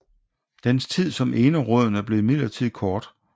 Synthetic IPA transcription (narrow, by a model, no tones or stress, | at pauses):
d̥enst͡sʰið̰ˠsɒ̽mʔeːnəʁɔð̰ˠn̩æɐb̥le̝ːmið̰lɐt͡sʰið̞̰ˠkʰɒːd̥